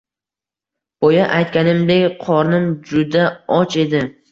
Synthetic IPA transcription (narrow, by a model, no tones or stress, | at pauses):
b̥ojaʔajt̪kʲanɪmd̪ekʲqʰɒɾnɪmd͡ʒʊd̪aɒt͡ʃe̞d̪ɪ